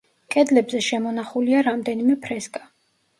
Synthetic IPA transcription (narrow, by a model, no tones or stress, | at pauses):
kʼɛd̪lɛbzɛʃɛmɔnaχuliaɾamd̪ɛnimɛpʰɾɛsɡʼa